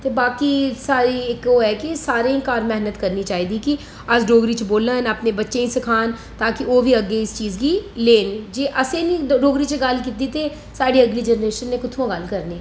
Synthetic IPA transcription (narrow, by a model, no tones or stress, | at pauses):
t̪eːbaːkiːsaːɾiːɪkoːɛːkisaːɾẽːkaːɾmɛɦnət̪kəɾniːt͡ʃaːɦiːd̪iːki | əd͡ʒɖoːɡɾiːt͡ʃboːlãːnaːpneːbətːʃẽːĩsɪkʰaːnt̪aːkɪʔoːʋiːəɡːeːɪst͡ʃiːzɡiːleːnd͡ʒeːʔəseːnĩːɖoːɡɾiːt͡ʃəɡəlkiːt̪iːt̪eː | saːɽiːəɡliːd͡ʒɛnɾeːʃənːeːkʊt̪ʰõɡəlkəɾneː